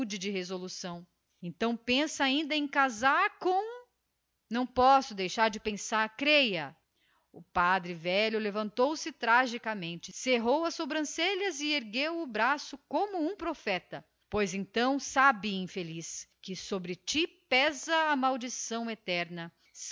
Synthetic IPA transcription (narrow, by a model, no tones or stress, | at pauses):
d͡ʒɪd͡ʒɪhezolusɐ̃w̃ | ẽnt̪ɐ̃w̃pẽsɐaĩnd̪ɐẽj̃kazaɾkõw̃ | nɐ̃w̃pɔsʊd̪ejʃaɾd͡ʒɪpẽsaɾkɾejɐ | ʊpad̪ɾɪvɛʎʊlevɐ̃nt̪owsɪt̪ɾaʒikɐmẽnt͡ʃɪseɦowɐsobɾɐ̃seʎɐzɪeɾɡewʊbɾasʊkõmʊũpɾofɛt̪ɐ | pojzẽnt̪ɐ̃w̃sabɪĩfeliskɪsobɾɪt͡ʃipɛzɐːmawd͡ʒisɐ̃w̃et̪ɛɾnɐ | s